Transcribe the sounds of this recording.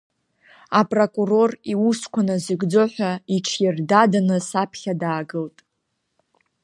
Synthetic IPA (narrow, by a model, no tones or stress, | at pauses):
apʼrokʼuro̞riuskʷʰanazɨɡd͡zoħʷaiʈ͡ʂʰjɪrdadanɨsapʰχʲadaːɡɨltʼ